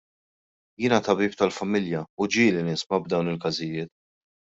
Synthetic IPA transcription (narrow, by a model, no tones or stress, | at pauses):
jɪːnɐt̪ɐbiːp̚t̪ɐlfɐmɪljɐud͡ʒiːlinɪsmɐbd̪ɐwnɪlkɐzɪjɪːt̪